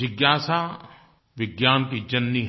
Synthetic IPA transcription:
ɪɡjaːsa | ʋɪɡjaːnkid͡ʒɐnːi

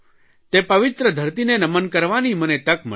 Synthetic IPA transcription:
t̪epɐʋɪt̪ɾəd̪ʱəɾt̪inenɐmənkəɾʋanimənet̪əkmə

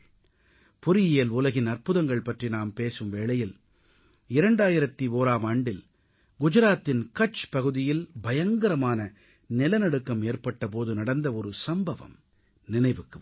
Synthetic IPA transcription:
pʊɾɪjɪjɐlʊlɐɣɪnɐrpɯðɐŋɡɐɭpɐʈrinaːmpeːsɯmʋeːɭɐjɪl | ɪɾɐɳɖaːjɪɾɐt̪ːioːɾaːmaːɳɖɪl | ɡʊd͡ʒɐɾaːt̪ːɪnkɐt͡ʃpɐɣɯðɪjɪlbɐjɐŋɡɐɾɐmaːnɐ | nɪlɐnɐɽɯkːɐmeːrpɐʈːɐp̬oːðɯnɐɽɐnd̪ɐɔɾɯsɐmbɐʋɐ̰m | nɪnɐɪʋɯkːɯ

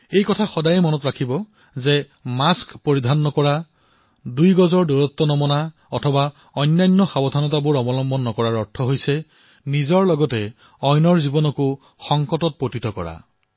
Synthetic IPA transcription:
ejkɔtʰaxɔdajɛmɔnɔtɹakʰibɔ | zɛ | maskpoɹidʱanːɔkɔɹa | dujɡɔzɔɹdoɹɔt̪ːɔnɔmɔna | ɔtʰɔba | ɔjnːajnːɔxabɔdʱanɔtabʊɹɔbɔlɔmbɔnːɔkɔɹaɹɔɹtʰɔɦojsɛ | nizɔɹlɔɡɔtɛ | ɔjnɔɹzibɔnɔkʊ | xɔŋkɔtɔt̚potitɔkɔ̰ɹa̰

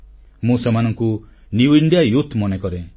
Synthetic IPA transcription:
mũsemanɔŋku | niwiɳɖijajut̪ʰmɔnekɔɾe

